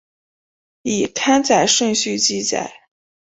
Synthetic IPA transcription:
i˨˩t̪ʰa˥nt͡sa˨˩ɪʂwɤ˥˧ŋɕy˥˧t͡ɕi˥˩t͡sa̰˨˩˦ɪ

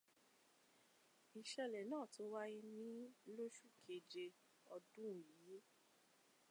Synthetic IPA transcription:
i˨ʃɛ˧lɛ˨nãː˦˨to˦wa˦i˦nĩ˦lo˦ʃu˦˨kʰe˨d͡ʒe˧ | ɔ˧dũ˦˨i˨je˦

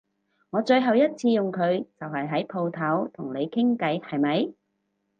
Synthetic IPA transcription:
ŋɔː˨˧t͡ʃɵ˧ɥɦɐ˨wjɐ˥t̚t͡sʰiː˧jʊ˨ŋkʰɵ˨˧ɥt͡sɐ˨wɦɐ˨jɦɐ˨˥jpʰo˧wt̪ʰɐ˨˥wt̪ʰʊ˨˩ŋne˨˧jkʰɪ˥ŋkɐ˨˥jhɐ˨jmɐ˨˧j

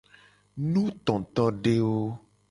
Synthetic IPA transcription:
nũ˦t̪ɔ̃˨t̪ɔ˦ɖe˦wo˦

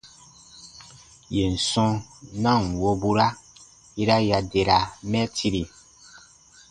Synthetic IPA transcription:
je˨n̩˨sɔ̃˧nã˦˨n˨wo˧bu˦ɾa˦ | i˦ɾa˦ja˨de˨ɾa˨mɛ˦tʰi˧ɾi˨

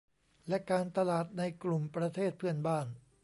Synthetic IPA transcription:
lɛ˦˥kaː˧nt̪a˧laː˨˩t̪̚na˧jklu˨˩mpɾa˧t̪ʰeː˥˩t̪̚pʰɯ˥˩ənbaː˥˩n

